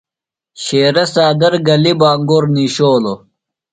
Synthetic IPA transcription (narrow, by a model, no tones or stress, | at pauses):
ɕeːɾɐsaːd̪ɐɾɡɐlibaːŋɡoɾniɕoːlo